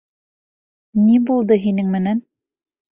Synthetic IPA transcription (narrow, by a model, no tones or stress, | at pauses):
nibulˠd̪ɤɦinɘŋmɘ̆næn